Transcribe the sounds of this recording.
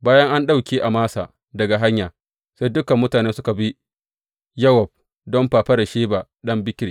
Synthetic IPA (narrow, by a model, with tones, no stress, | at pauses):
baː˦jɐ˦ŋʔa˦nɗa˦wkʲeː˦ʔa˨maː˦sa̰ː˨ | dɐ˨ɡa˨ɦa˦ɲjaː˨ | sa˦jdʊ˦kɐ˨mːʊ˦taː˨neː˦sʊ˦ka˨bi˦ | jɐ˦wɔ˨b̚ | dɔ˦mɸaː˨ɸɐ˦ɽa˨ʃeː˦baː˨ | ɗɐ˦mbɪ˦kʲɾi˨